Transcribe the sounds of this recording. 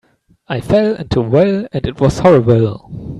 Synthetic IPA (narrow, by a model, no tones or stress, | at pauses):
aɪfɛlˠɪ̃ntʰuwɛlɨ̃ndɨt̚wʌz̥hɔɹəbəl̩ˠ